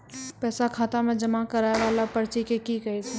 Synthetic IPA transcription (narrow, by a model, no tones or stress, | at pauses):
pɛːsakʰaːt̪amẽd͡ʒɐmakɐɾaːeʋaːlapɐɾt͡ʃikekikɐit̪ʰ